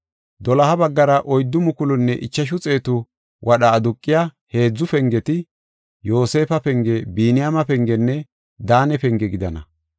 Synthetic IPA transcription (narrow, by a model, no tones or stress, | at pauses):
d̪ɔlɐhɐbɐɡːɐɾɐʔɔjd̪ːʊmʊkʊlʊnːɛʔɪt͡ʃːɐʃ̬ʊt͡sʼe̞ːt̪ʊ | wʔɐɗɐːd̪ʊkʼːɪjahe̞ːd͡zːʊfɛŋɡɛt̪ɪ | jo̞ːse̞ːfɐpɛŋɡɛbiːnɪjamɐpɛŋɡɛnːɛ | d̪aːnɛpɛŋɡɛɡɪd̪ɐnɐ̰